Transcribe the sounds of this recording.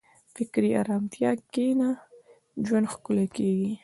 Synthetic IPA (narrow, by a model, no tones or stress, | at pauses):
fɪkɾia̰ɾɑmt̪jɑkena | d͡ʒwand̪xkʊlakeɡi